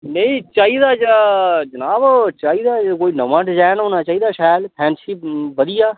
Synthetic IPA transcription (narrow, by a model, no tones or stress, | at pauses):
nəĩːt͡ʃaːiːd̪aːd͡ʒad͡ʒənaːbt͡ʃaːiːd̪aːkoːiːnəʋãːʈd͡ʒɛːnoːnaːt͡ʃaːiːd̪aːʃɛːlpʰɛ̃ːnsipʋəd̪ɪjaː